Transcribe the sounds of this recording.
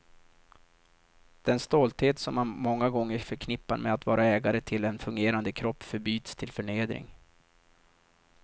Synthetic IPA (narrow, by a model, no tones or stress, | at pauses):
d̪̥ɛnst̪oːlt̪heːt̪sɔmamɔŋːaɡɔŋːəfœɾkʰnɪpːaɾmɛat̪vɑːɾaɛːɡaɾət̪ʰɪlɛnfɵŋɡeːɾand̪əkʰɾɔpːfœɾbyːt̪st̪ʰɪlfœɳeːd̪ɾɪ̰ŋ